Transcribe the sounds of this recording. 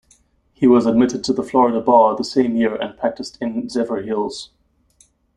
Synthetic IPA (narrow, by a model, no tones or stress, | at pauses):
hiwʌzəd̚mɪɾɨd̚tʰəðəflɔɹɨɾəbɑðəsẽɪ̃mjɪɹʔɨ̰̃npʰɹ̥æk̚tɨstɨ̃nzɛvə˞hɪlˠz̥